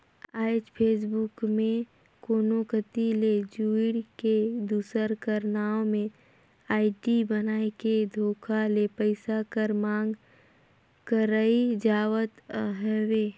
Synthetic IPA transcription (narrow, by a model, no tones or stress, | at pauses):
aːɪd͡ʒpʰeːs̬bʊkmẽ | koːnokət̪iled͡ʒuɪɽked̪uːsəɾkəɾnaːõmẽ | aːɪʈibənaːeked̪ʱoːkʰalepəɪsakəɾmãːŋɡ | kəɾəid͡ʒaːwət̪ɦɛweː